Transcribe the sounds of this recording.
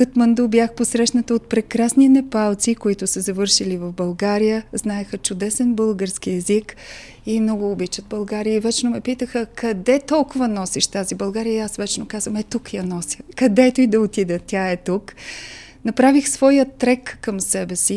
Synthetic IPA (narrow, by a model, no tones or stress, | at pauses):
kət̪mɐnd̪ubjaxposɾɛʃnɐt̪əot̪̚pɾɛkɾasninɛpalˠt̪sikoit̪ʊsəzɐvɤɾʃilivɐfbɐlˠɡaɾijəznaɛxət͡ʃʊd̪ɛsɛnbɤlˠɡəɾsk̟iɛzik | imnɔɡʊːbit͡ʃəd̪̚bɐlˠɡaɾiəivɛt͡ʃnomɛpit̪əxəkɐd̪ɛt̪ɔlˠkʊvɐnɔsiʃt̪azibɐlˠɡaɾiəiasvɛt͡ʃnokazvəmɛt̪ukjɐnɔsʲəkɐd̪ɛt̪oid̪ɐot̪id̪ɛt̪ʲaɛt̪uk | nɐpɾavixsvɔjət̪ːɾɛkːəmsɛbɛsi